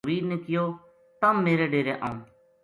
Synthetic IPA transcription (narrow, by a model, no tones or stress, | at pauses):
ʋiːɾneːkɪjoː | t̪əmːeːɾeːɖeːɾeʔaːũː